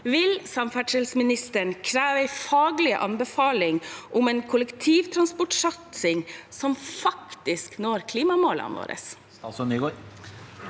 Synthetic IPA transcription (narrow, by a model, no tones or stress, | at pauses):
ʋɪlsɑmfæʈʂɛlsmɪnɪst̪əɳkʰɾæːʋəæɪfɑːɡlɪə̰ʔɑ̰nbəfɑːlɪŋʔʊmɛːnkʰʊlɛkt̪ʰiːʋt̪ʰɾɑnspɔʈʂɑt̪sɪŋsɔmfɑkt̪ɪsknoːɾkʰliːmɑmoːləɑ̰nʋo̰ːɾə̰s | sɔnyːɡo